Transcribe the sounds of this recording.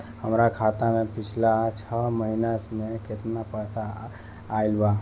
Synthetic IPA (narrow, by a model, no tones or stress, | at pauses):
həmɾakʰat̪amẽpɪt͡ʃʰlat͡ʃʰəməɦinasmẽket̪napəjsaː | ilba